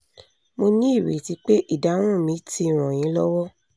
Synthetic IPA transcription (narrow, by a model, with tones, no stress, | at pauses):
mo˧nĩ˦i˦˨ɾe˨ti˨˧˦k͡pe˦ʔi˦˨da˨˦w̃ɔ̃˦˨mĩ˨˦ti˦˨ɾ̃ɔ̃˨j̃ĩ˨˦lɔ˦wɔ˦